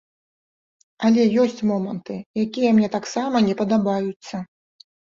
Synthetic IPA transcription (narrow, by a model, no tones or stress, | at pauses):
ɐlʲɛjɔsʲt͡sʲmɔmɐnt̪ɨjakʲijɛmnʲɛt̪aksamɐnʲɛpɐd̪abajut̪sːɐ